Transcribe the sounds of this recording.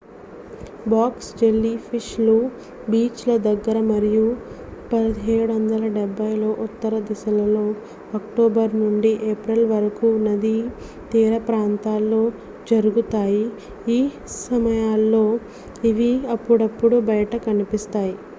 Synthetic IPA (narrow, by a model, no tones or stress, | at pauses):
baːksd͡ʒelːipʰiʃlu | biːt͡ʃlɐd̪ɐɡːɐɾɐmɐɾiju | pɐd̪iɦeːɽuʋɐnd̪ɐlɐɖɛbːɐjlo̞ːʔut̪ːɐɾɐd̪isɐlɐlo̞ː | ɐkʈoːbɐɾnuɳɖiʔeːpɾɐlʋɐɾɐkunɐd̪i | t̪iːɾɐpɾaːnt̪aːlːo̞ː | d͡ʒɐɾuɡut̪aːji | iː | sɐmɐjaːlːo̞ː | iʋiɐpːuɽɐpːuɽubɐjɐʈɐkɐnipist̪aːji